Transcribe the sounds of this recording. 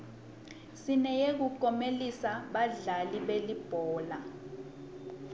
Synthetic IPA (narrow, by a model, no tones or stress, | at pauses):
sinɛjek̬ukʼɔmelisaɓaɮaliɓelib̥ʱɔːla